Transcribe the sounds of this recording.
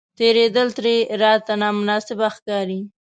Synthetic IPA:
t̪eɾed̪əlt̪ɾeɾɑt̪anɑmʊnɑsɪbaxkɑɾi

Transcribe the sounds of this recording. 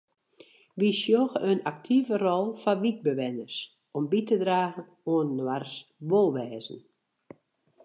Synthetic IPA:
ʋisjoxəønak̚tʰivərɔlˠfaʋik̚bəʋɛnərs | ɔmbitədraːɣən | oənːwarsʋolˠʋɛːzən̩

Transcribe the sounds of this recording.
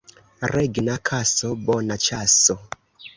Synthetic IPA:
rɛɡnakʰasɔbɔnat͡ʃasɔ

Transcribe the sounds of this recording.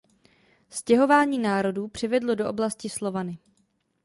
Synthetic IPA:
scɛɦo̞vaːɲiːnaːɾo̞duːpr̝̥ɪvɛdlo̞doʔoblascɪslo̞vanɪ

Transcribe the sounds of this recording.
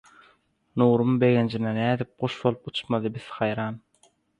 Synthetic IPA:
nuːɾumbe̞ɣend͡ʒinenæːd̪ip̚ɢoʃbolˠup̚ut͡ʃmɑd̪ɯbið̥hɑjɾɑːn

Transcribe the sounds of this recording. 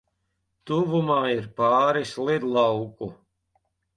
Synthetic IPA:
t̪uvumaːiɾpaːɾislˠid̪lˠawku

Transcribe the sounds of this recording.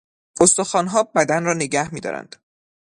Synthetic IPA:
ost̪o̞xɒːnɦɒːbæd̪ænrɒːne̞ɟæhmiːd̪ɒ̰ːɾæ̰nd̪̥

